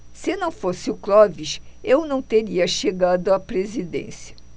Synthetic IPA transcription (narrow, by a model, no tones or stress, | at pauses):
sɪnɐ̃w̃fosɪʊklɔviʃewnɐ̃w̃t̪eɾiɐʃeɡad̪ʊapɾezid̪ḛ̃siɐ